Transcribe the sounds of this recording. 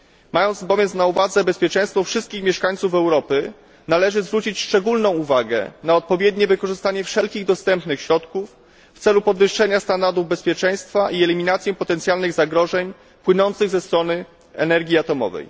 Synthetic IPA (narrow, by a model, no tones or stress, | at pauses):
majɔnt̪sbɔvʲjɛnsnauvad̪zɛbɛspʲjɛt͡ʂɛj̃st̪fɔfʂɘst̪kʲixmʲjɛʂkaɲ̃t̪sufɛwɾɔpɘ | nalɛʐɘzvɾut͡ɕit͡ɕʂt͡ʂɛɡulnɔ̃w̃uvaɡɛ̰naɔt̪̚pɔvʲjɛd̪ɲɛvɘkɔʐɘst̪aɲɛfʂɛlkʲiɣd̪ɔst̪ɛmpnɘxɕɾɔt̪kufː | t̪sɛlupɔd̪vɘʂːɛɲast̪and̪aɾd̪uvbɛspʲjɛt͡ʂɛj̃st̪faʔiɛlʲimʲinat̪sʲjɛ̃pɔt̪ɛnt̪sjalnɘɣzaɡɾɔʐɛɲ | pwɘnɔnt̪sɘɣzɛst̪ɾɔnɘ | ɛ̰nɛɾɡʲiat̪ɔmɔ̰vɛ̰j